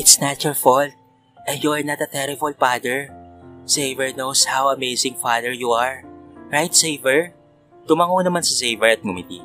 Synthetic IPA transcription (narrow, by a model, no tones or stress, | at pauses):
ʔɪt̪snat͡ʃʊɹfɔl | ʔɛ̃njuɐɹnɐt̪̚ɐt̪ɛɾɪbɐlpad̪ɛɹsejvɛɹnowshawɐmejsɪ̃ŋfad̪ɛɹjuaɹɹajt̪̚seɪvɛɹ | t̪ʊmaŋonɐmãnsɐsejvɛɹɐt̪̚mʊmɪt̪ḭ